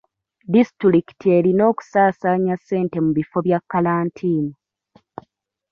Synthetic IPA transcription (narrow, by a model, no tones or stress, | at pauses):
distuɾiki̥tie̞ɾino̞ːku̥saːsaːɲasːe̞ːnte̞muβifo̞βjakːalaːntʰiːnu